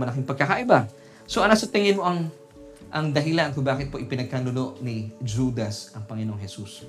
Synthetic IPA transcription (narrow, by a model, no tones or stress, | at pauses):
ɐlɐkɪŋpɐɡ̚kɐkaʔɪba | soʔɐnasɐt̪ɪŋɪnmo̞ʔɐŋ | ʔɐŋd̪ɐɦɪlankʊbaːkɪt̪̚poʔɪpɪnɐɡ̚kanʊlo̞ʔnɪd͡ʒuːd̪ɐsʔɐŋpɐŋɪnoŋɦɛsus